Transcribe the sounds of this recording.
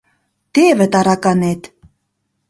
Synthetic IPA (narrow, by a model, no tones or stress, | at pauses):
t̪eβɘ̆t̪ɑɾɑkɑnet̪